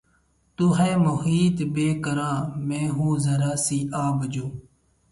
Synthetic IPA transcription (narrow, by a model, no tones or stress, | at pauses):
t̪uɦẽːmʊhiːt̪beːkəɾãːmẽːɦũːzəɾaːsiːʔaːʋəd͡ʒoː